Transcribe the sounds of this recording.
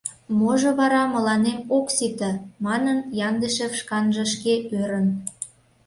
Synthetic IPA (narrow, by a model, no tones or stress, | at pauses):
moʒɤ̆βɑɾɑmə̆lɑnemoksit̪ə̆mɑnənjɑnd̪əʃefʃkɑnʒə̆ʃkeøɾə̆n